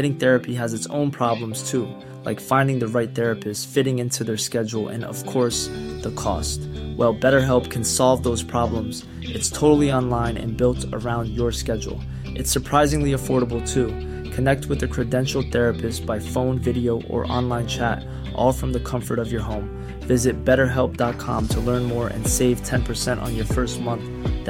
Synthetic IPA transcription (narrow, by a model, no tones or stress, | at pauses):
ɛɾɪ̃ŋθɛɹɨpiɨzɨtsõ̰ʊ̃npʰɹ̥ɑblə̃mz̥tʰu | la̰ɪkfãɪ̃ndɪ̃ŋðɨɹaɪt̪̚θɛɹɨpʰɨstsfɪɾɪ̃ŋɪ̃ntʰʉðə˞skɛd͡ʒl̩ˠɨ̰̃nʌ̰v̥kʰɔɹsðəkʰɔ̰st̚wɛlˠbɛɾə˞ɦɛlˠpkʰɨ̃nsɑlˠvðoʊz̥pʰɹ̥ɑblə̃mz̥ | ʔɨtstʰoʊɾl̩ˠiɑ̃nlãɪ̃nɨ̰̃nbɪlˠtə̰˞ãʊ̃ndjə˞skɛd͡ʒ̰l̩ˠ | ʔɨtsə˞pʰɹ̥aɪzɪ̃ŋliɨfɔɹɾəbl̩ˠtʰu | kʰɨnɛk̚t̚wɨðɨkʰɹ̥ɨdɛ̃nʃl̩ˠθɛɹɨpʰɨstsb̥aɪfõʊ̃nvɪɾioʊʔə̰˞ʔɑ̰̃nlãɪ̃nt͡ʃʰæɾ | ʔɔ̰lˠfɹʌ̃mðɨkʰʌ̃ɱfə˞ɾʌvjə˞ɦõʊ̃m | vɪzɨt̚b̥ɛɾə˞ɦɛlˠp̚d̥ɑt̚kʰɑ̰̃mtʰəlɜ̃˞nmɔɹʔɨ̰̃nseɪv̥tʰɛ̃npʰə˞sɛ̃nʔn̩jə˞fɜ˞st̚mʌ̃nθ